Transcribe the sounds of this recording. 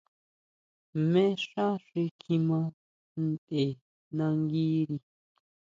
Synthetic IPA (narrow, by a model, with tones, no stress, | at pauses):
mẽ˦ʂa˦ʂe˧kʰĩ˧mã˧ | n̩˦˨te˨ | nã˧ŋɡi˦ɾi˧